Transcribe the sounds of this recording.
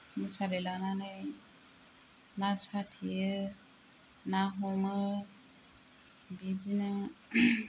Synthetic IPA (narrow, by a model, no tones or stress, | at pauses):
musaɾelanane | nasat̪ʰiə | naɦumə | bid͡ʒinə